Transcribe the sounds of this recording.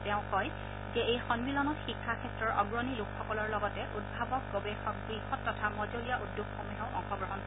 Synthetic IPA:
tɛʊ̃kɔj | zɛejxɔnmilɔnɔtxikʰːakʰɛtɹɔɹʔɔɡɹɔnilukʰxɔkɔlɔɹlɔɡɔtɛʔud̚bʱabɔk̚ɡobexɔk̚ɡɹixɔtːɔtʰamɔzolijaʔudːokxomiɦɔ̃ʊ̃ʔɔ̰xɔɡɹɔɦɔn

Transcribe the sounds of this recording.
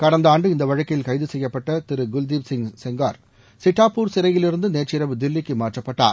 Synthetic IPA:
kɐɽɐnd̪aːɳɖɯɪnd̪ɐʋɐɻɐkːɐjɪlkɐɪðɯsɛjːɐpːɐʈːɐt̪ɪɾɯɡʊld̪ibsɪŋsɛŋɡaːɾ | sɪʈːaːpːuːɾsɪɾɐjɪlɪɾɯnd̪ɯneːt͡ʃɪɾɐʋɯd̪ɪlːɪkːɯmaːʈrɐpːɐʈːa̰ːɾ

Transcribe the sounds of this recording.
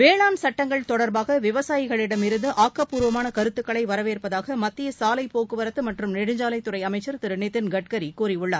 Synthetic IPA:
ʋeːɭaːnsɐʈːɐŋɡɐɭt̪ɔɽɐɾbaːɣɐʋɪʋɐsaːjɪɣɐɭɪɽɐmɪɾɯnd̪ɯʔaːkːɐpːuːɾʋɐmaːnɐkɐɾɯt̪ːɯkːɐɭɐɪʋɐɾɐʋeːɾpɐðaːɣɐmɐt̪ːɪjɐsaːlɐɪpoːkɯʋɐɾɐt̪ːɯmɐʈrɯmnɛɽɯɲd͡ʒaːlɐɪt̪ːɯrɐɪɐmɐɪt͡ʃːɐɾt̪ɪɾɯneːt̪ːɪnɡɐʈ̚kɐɾikuːɾiʊɭːaːɾ

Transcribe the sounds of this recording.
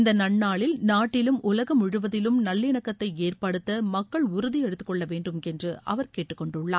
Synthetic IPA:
ɪnd̪ɐnɐɳːaːɭɪlnaːʈːɪlɯmʊlɐɣɐmʊɻɯʋɐðɪlɯmnɐlːɪɳɐkːɐt̪ːɐɪeːrpɐɽɯt̪ːɐmɐkːɐɭʊɾʊðijɛɽɯt̪ːɯ̥kːɔɭːɐʋeːɳɖɯmɛndrɯʔɐ̰ʋɐɾkeːʈːɯkːɔɳɖɯɭːa̰ː

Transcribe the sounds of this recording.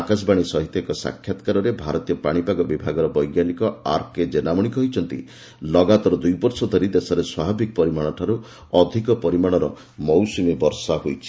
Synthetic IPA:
akas̬baɽ̃isɔɦit̪ekɔsa̰kʰjat̪ɔ̥kaɾɔɾebʱaɾɔt̪ijɔpaɽ̃ipaɡɔbibʱaɡɔɾɔbɔjɡjanikɔa̰ɾked͡ʒenamɔɽ̃ikɔɦijt͡ʃʰɔnt̪ḭ | lɔɡat̪ɔɾɔd̪ujpɔɾsɔd̪ʱɔɾid̪esɔɾeswababʱikɔpɔɾimaɽ̃ɔʈʰaɾu | ɔd̪ʱikɔpɔɾimaɽ̃ɔɾɔ | mɔwsumibɔɾsaɦojt͡ʃʰi̥

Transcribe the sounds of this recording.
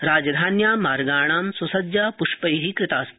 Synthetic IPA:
ɾaːd͡ʒɐd̪ʱaːnjaːmaːɾɡaːɳaːmsusɐd͡ʒjaːpuʂpɐjɦikɾɪt̪aːs

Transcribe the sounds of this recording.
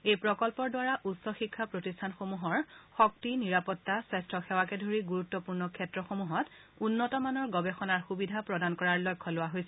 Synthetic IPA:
ejpɹɔkɔlpɔɹdʊwaɹaʔutsɔxikʰːapɹotistʰanxomuɦɔɹxɔk̚tiniɹapɔtːasɛstɹɔxɛwakɛdʱoɹiɡuɹutːɔpuɹnɔkʰɛtɹɔxomuɦɔt | unːɔtɔmanɔɹɡɔbɛxɔnaɹxubidʱapɹɔdankɔɹaɹlɔjkʰːɔlʊwaɦojsɛ

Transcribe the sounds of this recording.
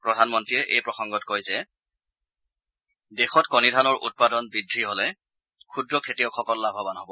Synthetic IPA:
pɹɔdʱanmɔntɹijɛʔejpɹɔxɔŋɡɔtkojzɛ | dɛxɔtkɔnidʱanɔɹʔṵt̚padɔnbidʱːiɦolɛ | kʰudɹɔkʰetijɔkʰɔkɔllabʱɔbanɦobɔ

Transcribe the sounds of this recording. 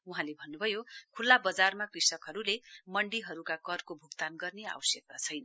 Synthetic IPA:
uɦãlebʱʌnːubʱʌjokʰulːabʌd͡zarmakrisʌkɦʌɾulemʌɳɖiɦʌɾukakʌrkobʱukt̪anɡʌrnea̰wʌsjʌk̚mat͡sʰʌjnʌ

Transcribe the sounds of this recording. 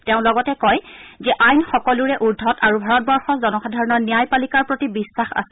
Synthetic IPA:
tɛʊ̃lɔɡɔtɛkɔjzɛʔajnxɔkɔluɹɛʔuɹdʱɔtʰaɹubʱaɹɔt̚bɔɹxɔzɔnɔxadʱaɹɔnɔɹnijajpalikaɹpɹotibisːaxa̰sɛ

